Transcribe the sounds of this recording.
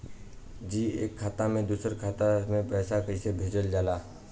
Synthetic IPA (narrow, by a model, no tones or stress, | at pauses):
d͡ʒiːḛːkʰːaːt̪amẽd̪uːsəɾkʰaːt̪amẽpɛːsakəisebʱeːd͡ʒəld͡ʒaːlaː